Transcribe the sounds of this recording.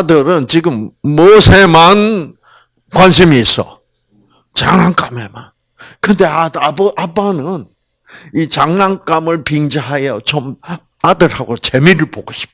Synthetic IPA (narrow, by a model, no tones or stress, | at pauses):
adɯɾɯnt͡ɕiɡɯmːosʰeman | kwanɕ̬ʰimiːs͈ʌ̰ | t͡ɕaŋnaŋk͈ame̞man | kɯnde̞aʔap͈ːanɯn | it͡ɕaŋnaŋk͈amɯɭpiŋd͡ʑaɦajʌt͡ɕom | adɯɾhaɡot͡ɕe̞miɾɯɭpoɡoɕʰi̥p̚t